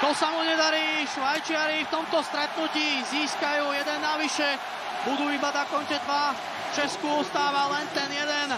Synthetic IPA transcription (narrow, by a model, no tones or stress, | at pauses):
t̪ɔsamuɲɛd̪aɾiːʃʋajt͡ʃɪaɾift̪ɔmt̪ɔst̪ɾɛt̪̚nuciːziːskajuːjɛd̪ɛnːaʋiʃɛ | bud̪uːibad̪akɔɲcɛd̪ʋa | ft͡ʃɛskuɔst̪aːʋalɛnt̪ɛnjɛd̪ɛn